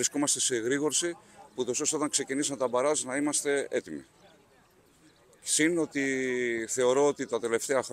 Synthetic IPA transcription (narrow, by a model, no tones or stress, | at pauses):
ɾisko̞mɐst̪e̞se̞ɣɾiɣo̞ɾsipuut̪o̞so̞seot̪ɐŋkse̞cinisɐmet̪ɐbɐɾɐznɐimɐst̪e̞e̞t̪imḭ | sino̞t̪iθe̞o̞ɾo̞ot̪it̪ɐt̪e̞le̞ft̪e̞ɐxɾ